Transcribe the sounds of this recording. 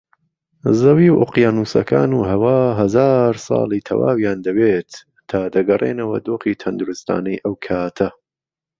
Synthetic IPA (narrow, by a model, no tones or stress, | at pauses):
zɐwiwʔoqjaːnuːsɐ̰kaːnuːɦɐwaːɦɐzaːɾsˤɑ̰ːlˠiːt̪ʰɐ̰wa̰ːwjaːnd̪ɐwet̪ʰː | aːd̪ɐɡɐrʔḛːnɐwɐ̰d̪oːχiːt̪ʰɐnd̪uɾust̪ʰa̰ːnɐjʔɐwkʰaːt̪ʰɐ